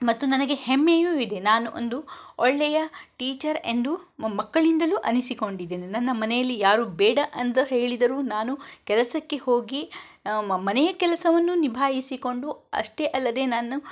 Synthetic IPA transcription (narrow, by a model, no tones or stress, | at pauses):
mɐt̪ːunɐnɐɡe̞hemːejuːid̪e̞naːnuʔo̰nd̪uɔɭːɛjɐʈiːt͡ʃɐɾe̞̰nd̪umɐkːɐɭind̪ɐluːʔɐnisiko̞ɳɖid̪ːeːninɐnːɐmɐnɛjɐlːijaːɾuːbɛːɽɐʔɐnt̪ɐɦeːɭid̪ɐɾuːnaːnukɛlɐsɐkːe̞hoːɡi | mɐnɛjɐkɛlɐsɐʋɐnːunibʱaːjisiko̞ɳɖuɐ̰ʂʈe̞ʔɐlːɐd̪e̞ːnaːnu